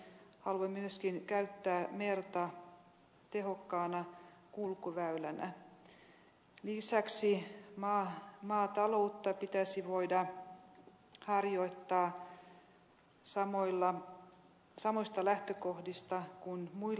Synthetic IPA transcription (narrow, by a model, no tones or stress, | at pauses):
hɑluɑmyøskinkæyt̪ːæːmert̪ɑ | t̪ehokːɑːnɑkulkuʋæylænæ̰ | lisæksimɑːmɑːt̪ɑlo̞ut̪ːɑpit̪æsiʋoidɑ | hɑrjoit̪ːɑː | sɑmolːɑ | sɑmoist̪ɑlæht̪økohdist̪ɑkunmui